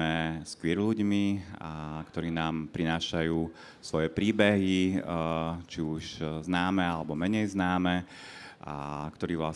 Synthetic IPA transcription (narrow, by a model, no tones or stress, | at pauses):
ɛskʋɪɛɾʎuɟmi | kt̪ɔɾiːnaːmpɾinaːʃajuː | sʋɔjɛpɾiːbɛɦi | t͡ʃiuʒznaːmɛalɛbɔmɛɲɛjznaːmɛ | akt̪ɔɾiːʋla